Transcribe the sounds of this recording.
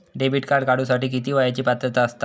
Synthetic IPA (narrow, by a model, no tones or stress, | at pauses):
ɖebʱiʈkaɾɖkaɽ̤usaʈiːk̬it̪iːʋajat͡ɕiːpat̪ɾət̪aəst̪a